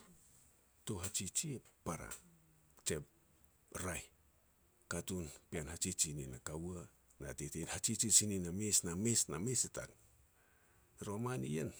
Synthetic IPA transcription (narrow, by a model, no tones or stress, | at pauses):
toɦat͡ʃit͡ʃipaɾa̰ | t͡ʃep̚ | ɾaj | katunpianhat͡ʃit͡ʃininakawa | na̰tetenhat͡ʃit͡ʃisininamesnamesnamesita̰k | ɾomanijḛn